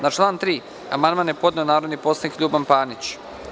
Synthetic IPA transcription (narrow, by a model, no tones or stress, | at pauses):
nat͡ʃlˠaːnt̪ɾiː | a̰mand̪manje̞po̞d̪ne̞onaːɾo̞d̪niposanikʎʲuːbampaːnit͡ɕ